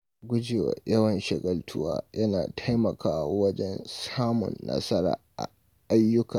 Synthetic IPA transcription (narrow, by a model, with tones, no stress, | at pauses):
ɡʷʊ˦d͡ʒeː˨wa̰˨jɐ˦wɐ˨nʃɐ˨ɡɐ˨ltʰʊ˦wa̰ː˦jɐ˦naː˨tʰa˦jmɐ˨kʰaː˦wa˦wɐ˦d͡ʒɛ˦nsaː˦mʊ̰˨nːɐ̰˦sɐ˦ɾa̰ː˨ʔa̰˨ | ʔa˦jːʊ˦kaː˨